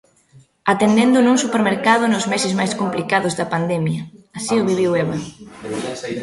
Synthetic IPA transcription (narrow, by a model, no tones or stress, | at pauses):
at̪end̪end̪ʊnuŋsupeɾmeɾkað̞ʊnʊzmesɪzmajskomplikaðʊzðɐpand̪ɛmjɐasiʊβiβiweβɐ